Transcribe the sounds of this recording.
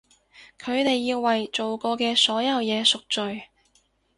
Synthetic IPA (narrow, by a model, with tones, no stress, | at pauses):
kʰɵ˨˧ɥt̪e˨jːiː˧wːɐ˨jt͡ʃo˨wkɔː˧kɛː˧sɔː˨˥jɐ˨˧wjɛː˨˧sʊ˨k̚t͡ʃɵ˨ɥ